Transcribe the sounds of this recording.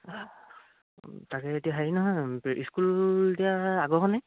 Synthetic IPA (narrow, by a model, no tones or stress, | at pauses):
takɛetiaɦainɔɦɔjḭskuldijaaɡɔɦɔnɛ